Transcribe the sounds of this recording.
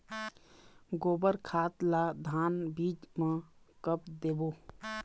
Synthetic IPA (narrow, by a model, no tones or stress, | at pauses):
ɡoːbəɾkʰaːt̪laːd̪ʱaːnbiːd͡ʒmẽkəpd̪eːboː